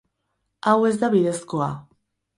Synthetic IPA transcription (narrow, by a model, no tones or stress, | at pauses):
awe̞zd̪aβiðe̞skoa